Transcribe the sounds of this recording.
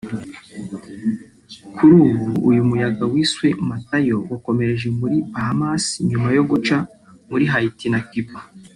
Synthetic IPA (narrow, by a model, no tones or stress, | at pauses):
kʰuɾuːɡuːjumujaɡawiswe̞matajo̞wako̞me̞ɾeʒemuɾibahamasɲumajo̞ɡot͡ʃa | muɾiɦaitinakiba